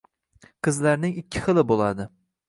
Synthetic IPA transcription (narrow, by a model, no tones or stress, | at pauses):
qʰɨzlaɾnɪŋɪkʲʰːɪχɨlˠɪbolˠad̪ɪ